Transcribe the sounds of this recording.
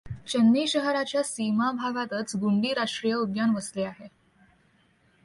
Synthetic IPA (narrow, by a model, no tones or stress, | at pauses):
t͡ɕənːiɕəɦɾat͡ɕjasimabʱaɡat̪ət͡sɡuɳɖiːɾaʂʈɾijəud̪janʋəsleaɦe